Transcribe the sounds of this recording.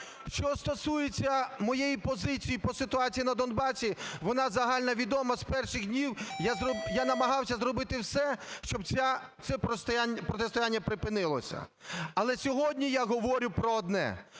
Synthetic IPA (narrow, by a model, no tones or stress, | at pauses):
ʃt͡ʃɔst̪ɔsujet͡sʲːɐmɔjejipɔzɪt͡sʲijipɔsɪt̪ʊɑt͡sʲijinɐd̪ɔnbɑsʲiʋɔnɑzɐɦɑlʲnɐʋʲid̪ɔmɐzpɛrʃɪɣdʲnʲiwjazjanɐmɐɦɑwsʲɐzɾɔbɪt̪ɪwsɛʃt͡ʃɔbʲa | t͡s̪ʲɛpɾɔst̪japɾɔt̪est̪ɔjanʲːɐpɾɪpɪnɪlˠɔ̰sʲɐ̰ɐlˠɛsʲɔɦɔdʲnʲijaɦɔʋɔɾʲʊpɾɔɔd̪nɛ̰